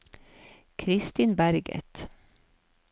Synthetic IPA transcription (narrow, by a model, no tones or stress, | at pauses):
kʰɾɪst̪ɪnbæɾɡə̰t̪